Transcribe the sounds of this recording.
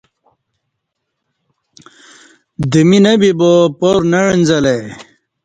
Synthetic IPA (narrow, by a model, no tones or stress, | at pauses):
d̪iminɐbibopoɾnɐɻinzɐle